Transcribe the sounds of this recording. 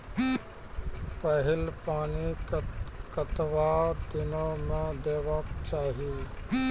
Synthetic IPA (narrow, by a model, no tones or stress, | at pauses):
pəɦɪlpaːni | kət̪ʋad̪ɪnõmẽd̪eːʋəkt͡ʃaːɦi